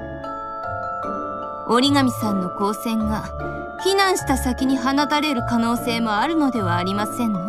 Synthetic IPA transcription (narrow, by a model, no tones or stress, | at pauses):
o̞ɾʲiŋamʲisãnːo̞ko̞ːsẽ̞ŋɡa | çinãɰ̃ɕi̥t̪asakʲiɲ̟iɦanat̪aɾe̞ɾɯ̟kano̞ːse̞ːmo̞aɾɯ̟no̞d̪e̞β̞aːɾʲimasẽ̞nː